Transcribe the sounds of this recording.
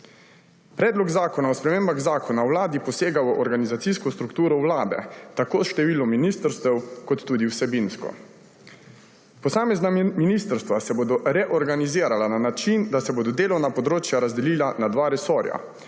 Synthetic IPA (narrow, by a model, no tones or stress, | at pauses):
pɾɛːd̪lɔɡzaːkɔnaɔspɾɛmeːmbaɣzaːkʰɔnawlaːd̪ipɔseːɡaʔɔɾɡanizat̪siːskɔst̪ɾukt̪uːɾɔwlaːd̪ɛ̰t̪akoːsʃt̪ɛʋiːlɔmːinist̪əɾst̪ɛwkɔt̪ːuːd̪iwsɛbinskɔ̰ | pɔsaːmɛznaminist̪əɾst̪ʋasɛboːd̪ɔɾɛʔɔɾɡaniziːɾalananat͡ʃind̪asɛboːd̪ɔd̪eːlɔwnapɔd̪ɾoːt͡ʃjaɾazd̪ɛliːlanad̪ʋaɾɛsɔːɾja̰